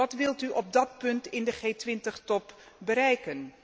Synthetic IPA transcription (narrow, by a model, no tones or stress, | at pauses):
ɑtʋɪlˠtyʔɔb̚dɑt̚pɵntɪndəχeːtʋɪntəχtɔp | bəɾɛjkən